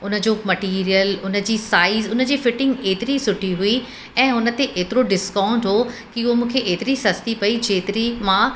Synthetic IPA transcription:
ʊnə̆d͡ʑoːmɐʈiːɾijəlʊnə̆d͡ʑiːsaːizʊnəd͡ʑiːfɪʈɪ̃ŋɡeːt̪ɪɾisʊʈʰiɦʊi | ɛ̃ːɦʊnə̆t̪eʔeːt̪ɪɾoɖɪskãːʊ̃ɳɖɦokiʊɦomũːkʰeʔeːt̪ɪɾisɐst̪ipɐid͡ʑeːt̪ɪɾimã

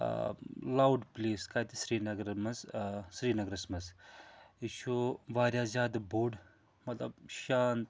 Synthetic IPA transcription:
laːwɖpleːskaːt̪isɾiːnɐɡɾɐmɐzsɾiːnɐɡɾɐsmɐz | iʃʰoʋaːɾʲjaːzʲaːd̪boːɖ | mɐt̪lɐ̰bʃaːnt̪

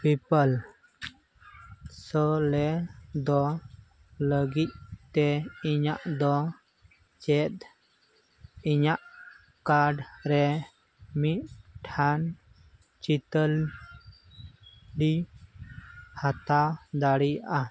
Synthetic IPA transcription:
pipəl | səlɛd̪ɔ | ləɡit̪̚t̪ɛiɲaʔd̪ɔ | t͡ʃɛt̪̚ | iɲaʔ | kaɾɖɾɛ | mit̪̚ʈʰan | t͡ʃit̪əl | ɖi | hat̪ad̪aɽiʔa

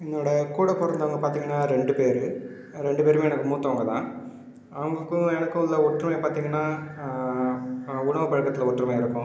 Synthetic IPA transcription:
enːoːɽɐkuːɽɐkːɔrɐnd̪ɐʋɐŋɡɐpaːɾt̪iːŋɡɐnːaːɾeɳɖɯpeːɾɯ | ɾeɳɖɯpeːɾɯmɛnɐkːɯmuːt̪ːɐʋɐŋɡɐt̪ã̰ː | ɐʋɐŋɡɐkːɯɛnɐkːɯ̃lːɐɔʈrɐmeːpaːɾt̪iːŋɡɐnːaː | ʊɳɐʋɐpɐɻkːɐt̪ːɪlɐɔʈːrɐmaːɪɾɯkːʊ̃

